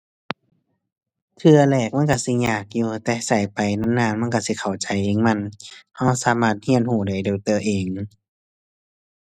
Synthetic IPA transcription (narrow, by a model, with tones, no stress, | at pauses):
t̪ʰɯ˧ɐlɛː˧˩k̚ma˧˥˨nka˧˩si˧˦ɲaː˨˩k̚juː˧t̪ɛː˧sa˨˩jpa˨jna˧˥˨nnaː˧˥˨nma˧˥˨ka˧˩si˧˦kʰa˨˩wt͡ɕa˨jʔeː˧˨ŋma˧˥˨nha˧˥˩wsaː˧˦maː˧˩t̪̚hi˧˥ənhuː˧˩da˧˩jdeː˧˩wt̪ɤː˧˩ʔeː˨ŋ